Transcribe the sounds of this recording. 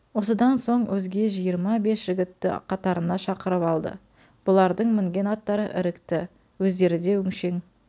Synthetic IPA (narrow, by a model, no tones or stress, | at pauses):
wo̞səd̪ɑnso̞ɴwɵzɡʲe̞ʒijəɾmɑbe̞sʒ̥ɪɡʲɪt̪ːɪ̰qʰɑt̪ɑɾənɑʃɑqəɾəpɑlˠd̪ə̰ | b̥ʊlˠɑɾd̪əɴmɪŋɡʲe̞nɑt̪ːɑɾə̰ʔɪɾɪkt̪ɪ | wɵzd̪e̞ɾɪd̪e̞ʏŋʃe̞ŋ